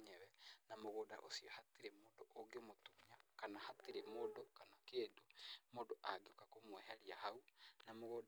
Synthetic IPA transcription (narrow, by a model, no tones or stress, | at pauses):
ɲɛwɛnamoɣoːda̰ʔo̰siɔhatiɾemoːdoʔoɡemotumɲakanahatiɾemodokanakedomodoʔaɡeokakomwɛɦɛɾiahaunamoɣod